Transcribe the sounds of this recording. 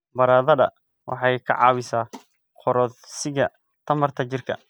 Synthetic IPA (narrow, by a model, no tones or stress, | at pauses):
bɐɾaːðɐðɐ̰ | wʔɑ̰ħɑjkʰɐ̰ʕɑ̰ːwɪsaː | qʰɔɾɔðsɪɣɐ | t̪ʰɐmɐrt̪ʰɐt͡ʃɪrkʰɐ̰